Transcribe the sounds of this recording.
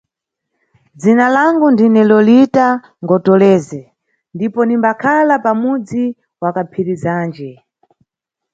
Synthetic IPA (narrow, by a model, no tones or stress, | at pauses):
d͡zinalaŋɡundinɛlɔlita | ŋɡɔtɔlɛːzɛ | ndipɔnimbakʰalapamud͡zi | wakapʰiɾizaːnd͡ʒɛ